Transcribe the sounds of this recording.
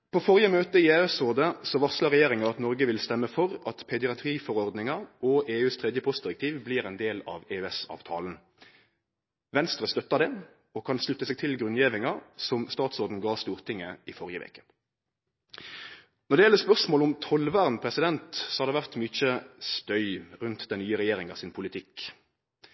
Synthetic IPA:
pʰɔfɔʁjəmøːt̪əɪeːʉɛsoːʁd̪əsɔʋɑslɑʁɛjeːʁɪŋɑʁɑt̪nɔʁɡəʋɪlst̪ɛmːəfɔʁɑt̪pʰɛd̪ɪɑt̪ʰʁiːfɔʁɔʁd̪nɪŋɑʔɔʔeːʉːst̪ʰʁɛd̪jəpʰɔst̪d̪ɪɾɛk̚t̪ʰiːʋbliːʁɛnd̪eːlɑ̰ʋeʉːɛsɑ̰ːʋt̪ʰɑ̰ːln̩ | ʋɛnst̪ʁəst̪œt̪ːɑd̪ɛ | ɔkʰɑnslʉt̪ːəsɛːɡt̪ʰɪlɡʁʉnjɛːʋɪŋɑsɔmst̪ɑːt̪sɔʁd̪n̩ɡɑːʁst̪uːʁt̪ʰɪŋːəɪfɔʁjəʋḛːkə̥ | nɔʁd̪ɛjɛlːəspœʁsmoːlʊmt̪ʰɔlʋæːʁnpʰɾɛsɪd̪ɛnt̪sɔ̥hɑʁd̪ɛʋæʁt̪myt͡ʃəst̪œʏʁʉnt̪d̪ɛnnyːəʁɛjeːʁɪŋɑ̰ʋsɪnpʰʊlɪt̪ʰɪk

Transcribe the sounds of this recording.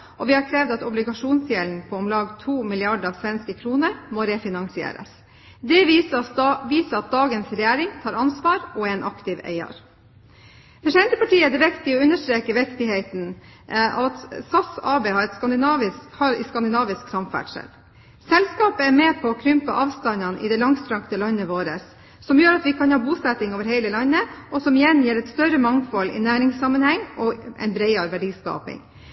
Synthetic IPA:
ʔɔʋɪhɑɾkʰɾeːʋd̪ɑt̪ɔblɪɡɑʂuːnsjɛln̩pʰɔɔmlɑːɡt̪ʰuːmɪlɪɑɖəɾɑːʋsʋɛnskəkʰɾuːnəɾmoːɾɛfɪnɑŋsɪḛːɾə̰s | d̪ɛʋ | ʋiːsəɑt̪̚d̪ɑːɡənsɾɛjæːɾɪŋt̪ʰɑːɾɑnsʋɑːɾɔɛnʔɑkt̪ɪʋḛɪə̰ɾ | fœʂɛɪnt̪əpɑʈiːəd̪ɛʋɛkt̪ɪɔʉnəʂʈ̪ɾeːkəʋɛkt̪ɪhɛɪt̪n̩ | ɑt̪sɑsɑːbeːhɑɾɛt̪skɑnd̪ɪnɑʋɪhɑɾɛskɑnd̪ɪnɑːʋɪsksɑmfæ̰ʈʂɛ̰l | sɛlskɑːpəæɾmɛːpʰɔːkʰɾʏmpə̰ʔɑːʋst̪ɑnɑnʔɪ̰d̪ɛlɑŋst̪ʰɾɑŋkt̪əlɑnːəʋoːɾəsː | ɔmjøːɾɑt̪ʋɪkʰɑnhɑːbuːsɛt̪ɪŋoːʋəɾhæɪləlɑnːəʔɔsɔmɪjɛnjɛːɾɛt̪st̪œɾəmɑŋfɔlɪ̰næːɾɪŋsːɑmːənhɛŋːʔɔʔɛ̰ɪnbɾɛɪɑɾʋæɖiːskɑ̰ːpɪ̰ŋ

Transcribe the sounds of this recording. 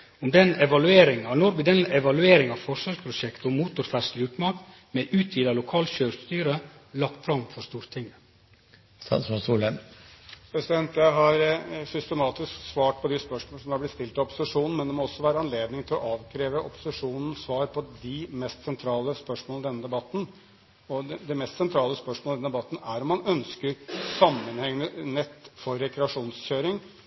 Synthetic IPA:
ɔmd̪ɛnɛʋɑlʉeːɾɪŋɑnɔɾʋɪd̪ɛnɛʋɑlʉeːɾɪŋɑʋfɔʂʋɑːɾspʰɾʊʂɛkt̪əɔmuːt̪ʊɾfæʂlʉːt̪mɑkt̪ | mɛʔʉːt̪ʰjiːd̪ɑlʊkʰɑːlçøːɾst̪yːɾəlɑkt̪fɾɑmfɔʂt̪uːɾt̪ʰɪŋːə | ɔsuːlə | pʰɾɛsɪd̪ɛnt̪jæɦɑɾsʏst̪əmɑːt̪ɪsksʋɑːʈ̚pʰɔd̪ɪspœʂmoːləsɔmd̪ɑɾblɪt̪st̪ɪlt̪ɪɔpʊ̥sɪʂuːnn̩mɛnd̪ɛmɔɔsːɔʋæːɾəɑnleːd̪nɪŋt̪ʰɪlɔʔɑːʋkʰɾeːʋəʔɔpʊ̥sɪʂuːnn̩sʋɑːɾpʰɔd̪ɪmɛst̪sɛnt̪ʰɾɑːləspœʂmoːləd̪ɛnːəd̪ɛbɑt̪ːn̩ | ɔɛd̪ɛmɛst̪sɛnt̪ʰɾɑːləspœʂmɔld̪ɛnːd̪ɛbɑt̪ːn̩æɾɔmːɑnœnskəɾsɑmːənhɛŋnənɛt̪ːfɔɾːɛkɾɛɑʂuːnsɕøːɾɪŋ

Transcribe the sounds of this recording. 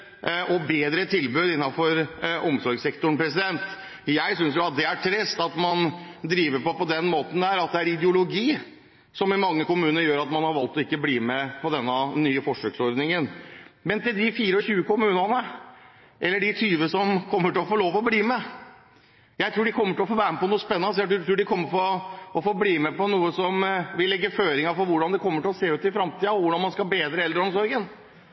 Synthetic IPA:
ʔɔbeːd̪ɾət̪ʰɪlbʉːd̪ɪnːɑfɔɾɔmsɔɾɡsɛkt̪ʊɳpɾɛs̬ɪd̪ɛnt̪ | jæɪsʏnsjʊɑt̪̚d̪ɛæʈʰɾɛst̪ɑt̪mɑnd̪ɾiːʋəɾpɔpɔd̪ɛnmoːt̪n̩d̪æɾɑt̪̚d̪ɛæɾɪd̪əʊlʊɡiː | sɔmɪmɑŋːəkʊmʉːnəəjøːɾɑt̪mɑnhɑɾʋɑlt̪ɔɪkːəbliːmɛpʰɔd̪ɛnːənyːəfɔʂøːɡsɔɾd̪nɪŋənmɛnt̪ɪld̪ɪfiːɾəɔçʉːəkʊmʉːnɑnə | ʔɛlːəɖɪt̪ʰyːʋəsɔmkʰɔmːəʈɪlɔfoːloːʋɔbliːmɛ | jæɪt̪ʰɾuːɖɪkʰɔmːəʈɪlɔfoːʋæːɾməpɔnuːspɛnːɑnəs̬jædt̪ʰɾuːɖɪkʰɔmːəfɔɾɔɔfoːbliːmɛpɔnuːəsɔmʋɪlːɛɡːəføːɾɪŋɑfɔɾʋʊɖɑnd̪ɛkʰɔmːəʈɪlɔseːʉːt̪ɪfɾɑmt̪ʰiːəɔʋʊɖɑnmɑnskɑbeːd̪ɾəɛld̪ɾəɔmsɔɾɡən

